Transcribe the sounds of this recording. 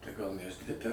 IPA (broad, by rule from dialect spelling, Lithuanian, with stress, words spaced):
tɐɪ ɡɐlˠ ʊnʲɪʋʲɛrʲsʲɪˈtʲæːtʲɛ